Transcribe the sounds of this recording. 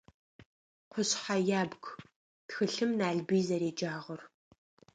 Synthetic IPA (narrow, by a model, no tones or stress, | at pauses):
qʷʰʊɕħajaːbɡʷ | txɨɬɨmnaːɮbiːzɐɾeːd͡ʒaːʁʷʊr